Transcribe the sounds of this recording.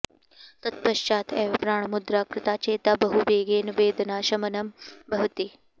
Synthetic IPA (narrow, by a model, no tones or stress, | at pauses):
t̪ɐt̪̚pəɕt͡ɕaːt̪ʰeːʋpɾaːɳmud̪ɾaːkɾɪt̪at͡ɕet̪abɐɦuʋeːɡeːnʋeːd̪naɕɐmənɐmbʱɐʋt̪iː